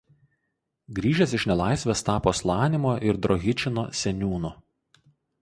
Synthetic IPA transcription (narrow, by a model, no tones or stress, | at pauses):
ɡɾʲiːʒʲɛsɪʃnʲɛlˠɑˑɪsʲʋʲɛst̪ɑːpoːslˠɑːnʲɪmoːʔɪɾd̪ɾɔɣʲɪt͡ʃʲɪnoːsʲɛnʲuːnʊ